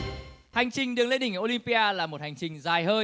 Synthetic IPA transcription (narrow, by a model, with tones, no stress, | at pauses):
ha˨˩jŋ̟t͡ɕï˨˩ŋɗɨ˨˩əŋlḛ˧˥nɗï˨˩ŋ˨ʔo˧li˧mpi˧ʔaː˧laː˨˩mo˨˩t̚ha˨˩jŋ̟t͡ɕï˨˩ŋ̟zaː˨˩jhəː˧